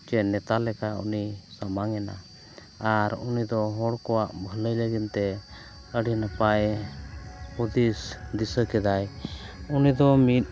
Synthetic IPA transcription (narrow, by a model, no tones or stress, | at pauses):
t͡ʃɛnɛt̪alɛkaṵnisamaŋɛna̰ | aɾṵnid̪ɔɦɔɽkɔwaʔbʱələjləɡint̪ɛ | əɖinəpaj | hud̪isd̪isəkɛd̪ajunid̪ɔmit̪̚